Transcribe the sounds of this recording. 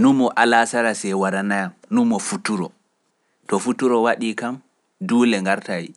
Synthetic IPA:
numːɔʔalasaɾasɛwaɾanajamnumːɔfutuɾɔ | tɔfutuɾɔwaɗikam | duːlɛŋɡaɾtaji

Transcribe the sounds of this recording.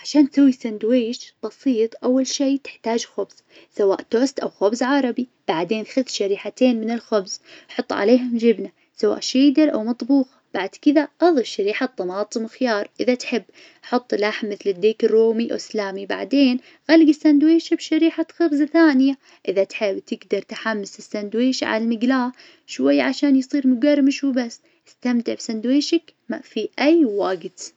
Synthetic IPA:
ʕaʃaːnt̪sawːisand̪wiːʃb̥ɑsiːt̪ˤʔawːalʃiːt̪ɪ̥ħt̪aːd͡ʒxʊbz̥ | sawa̰ːʔt̪oːst̪ʔawxʊbzʕɑɾˤɑbib̥aʕd̪eːnxʊðʃaɾiːħat̪eːnmɪnɪlxʊbz̥ħʊt̪ˤːʕa̰leːɦʊmd͡ʒɪbna | sawa̰ːʔʃiːd̪ɪɾʔa̰wmɑt̪ˤbuːɣ | b̥aʕd̪kɪðaʔɑðˤɨfʃaɾiːħat̪ˤːɑmɑːt̪ˤɨmxɪjɑːɾˤʔɪðat̪ħɪbː | ħʊt̪ˤːlaħmːɪθlɪd̪ːiːkɪrːoːmiʔa̰wslaːmiba̰ʕd̪eːn | ɣalɪɡɪsːand̪weːʃabʃaɾiːħaxɑbzaθaːnɪja | ʔɪðat̪ħɪbːt̪ɪɡd̪ɑɾˤt̪ħamːɪsɪsːand̪weːʃʕa̰lmɪɡlaː | ʃwajːaʕaʃaːnjsˤiːɾmʊɡarˤːmɪʃubasː | ɪst̪amt̪ɪʕbsand̪weːʃakmafiʔajwaːɡt̪

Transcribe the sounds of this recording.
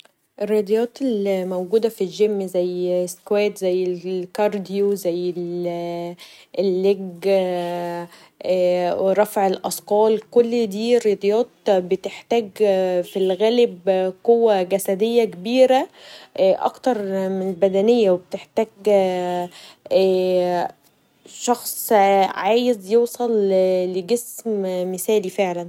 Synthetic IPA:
ʔerːɑd̪jɑːt̪elmowɡuːd̪æfilʒemːzæjːskwæːt̪zæjːelkɑɾˤd̪ijozæjːel | elːeɡ | wɾˤɑfʕelʔɑsˤqɑːlkolːd̪iːɾːed̪ˤjɑːt̪̚bet̪eħt̪æːɡfilɣæːlebqowːæɡæsæd̪ejːækebiːɾæ | ʔɑ̰kt̪ɑɾˤmenelbæd̪ænejːæwebet̪eħt̪æːɡ | ʃɑxsˤʕaːjezjeːsˤɑlleɡesmmesæːlifeʕlæn

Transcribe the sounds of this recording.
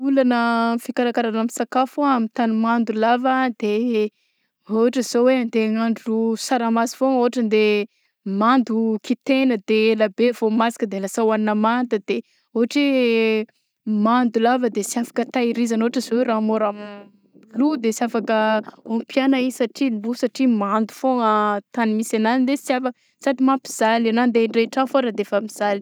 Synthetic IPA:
ulanəfikaɾakaɾanamisakafuaamit̪animand̪ulavəd̪̥e | voɦaʈ͡ʂəz̥oweant̪eŋaɳɖ͡ʐusaɾamazivoŋoɦaʈ͡ʂənd̪e | mand̪ukit̪enəd̪elabevomasi̥kəd̪elasawaninəmand̪əd̪̥e | oɦaʈ͡ʂi | mand̪ulavəd̪esiafḁkət̪aiɾizanoaʈ͡ʂəzoweɾamoɾam | lud̪esiafakəompjanaisaʈ͡ʂilusaʈ͡ʂimand̪u̥foŋat̪animisananind̪esjafa | saʈ͡ʂimampi̥z̥alanand̪eɳɖ͡ʐeʈ͡ʂafoɾad̪eefamiz̥ali̥

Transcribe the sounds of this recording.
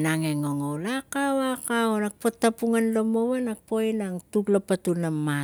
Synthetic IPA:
naŋeŋoŋowlakawakaonak̚potːapuŋanlomowanak̚poinaŋtuklapatunamːa

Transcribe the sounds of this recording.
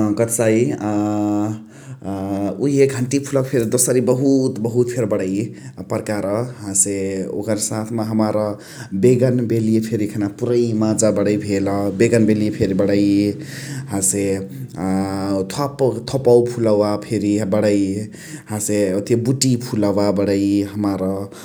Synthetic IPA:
ɡʌt̪saj | uɦeɡʱəɳʈipʰulʌkpʰeɾd̪osəɾibʌɦut̪bʌɦut̪pʰeɾbʌɽəjpʌɾkaɾʌɦãseo̰kʌɾsat̪ʰmaɦəmaɾʌ | beɡʌnbeliepʰeɾikʰanapuɾəjmad͡zabʌɽʌjbʱelʌbeɡʌnbeliepʰeɾibʌɽʌj | hãse | t̪ʰʌpt̪ʰopawpʰulawapʰeɾibʌɽʌj | hãseot̪ʰebuʈipʰulawabʌɽʌjɦʌmaɾʌ

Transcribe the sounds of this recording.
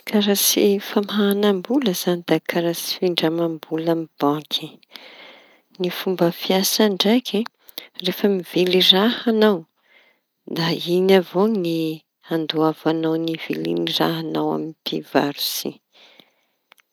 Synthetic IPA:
kʰaɾasifamɦaːnambuləz̥anid̪̥akʰaɾasi̥fiɳɖ͡ʐamambulamib̥ãkʰi | nifumbəfiasaɳɖ͡ʐajkʰʲi | refəmivilirahanaw | d̪ainavoni | and̪uavanawniv̥ḭlḭnira̰ɦanawa̰minpʰivaɾusḭ

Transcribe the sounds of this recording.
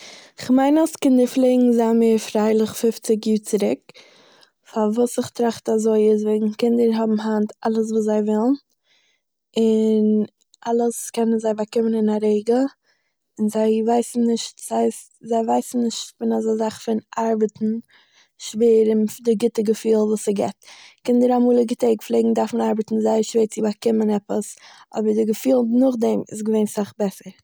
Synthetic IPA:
ɪχmaɪnaskɪndɪflˠeɪɡŋ̩zameːɾfɾaɪlˠɪχfɪft͡sɪk̬juːɾt͡sɪɾɪk | favuːsɪχtɾaχtazoɪɪz̬vɛɪɡŋ̩kɪndəɾɦɔbm̩ɦantalˠəs̬vuːs̬zaɪvɪlˠn | ɪn | ʔalˠəskɛnənzaɪvakɪmənɪnaɾeɪɡə | ɪnzaɪvaɪsn̩nɪʃtz̥aɪstzaɪvaɪsn̩nɪʃtfɪnazazaχfɪnʔaɾbətn̩ | ʃveːɾɪndɪɡɪtəɡəfiːlˠvuːsəɡɛ̰tkɪndɪɾamuːlˠəɡɪteɪɡflˠeɪɡŋ̩daɾfn̩aɾbətn̩zaɪəʃveːɾt͡sɪvakɪmənɛpəsɔ̰bəɾdɪɡəfiːlˠnʊχdɛmɪ̰sɡəveɪnsaχbɛsəɾ

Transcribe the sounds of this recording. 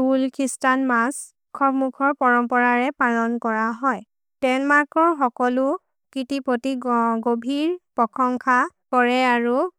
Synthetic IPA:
ulkʰistanmas | kʰɔbmukʰɔɹpɔɹɔmpɔɹaɹɛpalɔnkɔɹaɦɔj | tɛnmaɹkʰɔɹxɔkɔlʊ | kitipotiɡobʱiɹpɔkʰɔŋkʰakɔɹɛaɹu

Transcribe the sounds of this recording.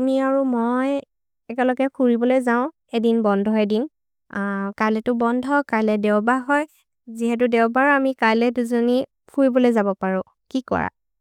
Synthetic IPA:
amiaɹumɔj | ɛkɛlɔɡɛpʰuɹibɔlojzaʊ̃ | edinbɔndʱɔɛdin | kalɛtʊbɔndʱɔkalɛdɛʊbaɦɔj | ziɦɛt̬ʊdɛwbaɹamikajlɛduzɔni | pʰuɹibɔlojzabɔpaɹʊ̃ | kikɔ̰ɹa̰

